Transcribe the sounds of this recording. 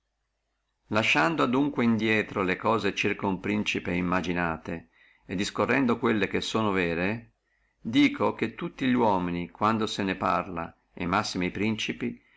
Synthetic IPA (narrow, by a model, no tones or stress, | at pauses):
laʃːand̪oad̪uŋkweind̪jɛːt̪ɾolekɔːzet͡ʃirkoumpɾint͡ʃipeimːad͡ʒinaːt̪e | ed̪ːiskorːɛnd̪okwelːek̟esːoːnovɛːɾe | d̪iːkʰok̟et̪ːut̪ːiʎwɔːminikwand̪osenepa̰rla̰ | ḛmːasːimijpɾint͡ʃipi